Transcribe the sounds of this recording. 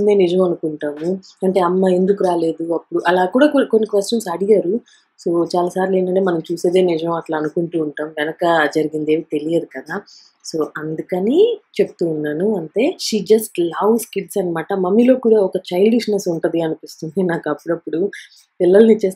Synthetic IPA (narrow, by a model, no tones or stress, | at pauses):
nd̪eːnid͡ʒɐʋmɐnukuɳʈaːmu | ɐɳʈe̞ːɐmːɐe̞nd̪ukuɾaːle̞ːd̪uɐpːuɽuʔɐlaːkuːɽaːkkonːikʋesʈɐnsɐɽiɡaːɾu | so̞ːt͡ʃaːlaːsaːɾile̞ːɳʈ̬ɐɳʈeːmɐnɐmt͡ʃuːse̞ːd̪e̞ːnid͡ʒɐʋmɐʈlaːɐnukuɳʈuːɳʈaːmʋɛnɐkɐd͡ʒɐɾiɡind̪eːʋit̪e̞lijeːd̪ikɐd̪aː | so̞ːʔɐnd̪ukɐnit͡ʃeput̪uːnːaːnuɐɳʈe̞ːʃiːd͡ʒɐsʈlɐwskiɖsɐnmaːʈɐmɐmːilo̞ːkuːɽaːɔkɐt͡ʃɐjlɖiʂnɐsuɳʈɐd̪iɐnupist̪und̪inaːkɐpːuɽɐpːuɽu | pilːɐlɐnit͡ʃeː